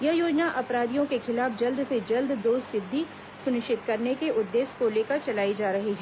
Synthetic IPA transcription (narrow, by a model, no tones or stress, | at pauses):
jɐɦjoːd͡ʒnaʔɐpɾaːd̪ijõkexɪlaːfd͡ʒɐld̪ʱsed͡ʒɐld̪ʱd̪oːssɪd̪ʱːi | sʊnɪʃt͡ʃɪt̪kɐɾnekeʔʊd̪ːeːskoleːkəɾt͡ʃɐlaːid͡ʒaːɾɐɦiɦɛː